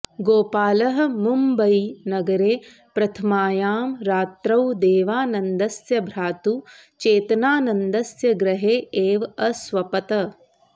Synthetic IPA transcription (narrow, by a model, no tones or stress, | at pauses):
ɡoːpaːlɐɦɐ̆mumbɐjnɐɡɐɾeː | pɾɐt̪ʰɐmaːjaːmɾaːt̪ɾɐwd̪eːʋaːnɐnd̪ɐsjɐbʱɾaːt̪u | t͡ʃeːt̪ɐnaːnɐnd̪ɐsjɐɡɾɐɦeːeːʋɐsʋɐpɐt̪ɐ